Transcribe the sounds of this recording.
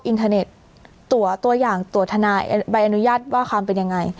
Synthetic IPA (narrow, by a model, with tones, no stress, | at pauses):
pʔi˧nt̪ʰaː˧ne˨˩t̪̚ː | u˨˩ɐt̪u˧ɐjaː˨˩ŋt̪u˨˩t̪ʰːa˧naː˧jba˧jʔa˧nu˦˥jaː˥˩t̪̚waː˥˩kʰwaː˧mpe˧nja˧ŋːa˧j